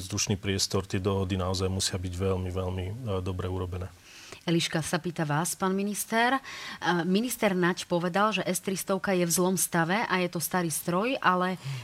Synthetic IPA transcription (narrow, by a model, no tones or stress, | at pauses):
zd̪uʃniːpɾɪɛst̪ɔɾt̪ɪɛd̪ɔɦɔd̪inaɔzajmusɪabiɟʋɛlmiʋɛlmid̪ɔbɾɛuɾɔbɛnɛː | ɛliʃkasapiːt̪aʋaːspaːnminist̪ɛɾ | minist̪ɛɾnacpɔʋɛd̪alʒɛʔɛst̪ɾist̪ɔʊkajɛvzlɔmst̪aʋɛʔajɛt̪ɔst̪aɾiːst̪ɾɔjʔalɛ